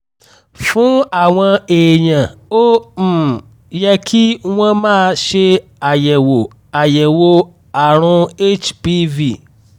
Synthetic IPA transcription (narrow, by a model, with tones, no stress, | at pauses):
fũ˦a˨w̃ɔ̃˧e˨ɲã˨o˦˨ | jɛ˧kʰi˦w̃ɔ̃˦mãː˦˧ʃe˧ | a˨jɛ˨wo˨ | a˨jɛ˨wo˧ | a˨ɾ̃ũ˧e˦t͡ʃpi˦vi˦˨